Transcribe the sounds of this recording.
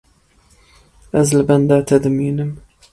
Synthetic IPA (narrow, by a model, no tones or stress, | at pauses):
ʔazlband̪aːt̪ʰad̪miːnəm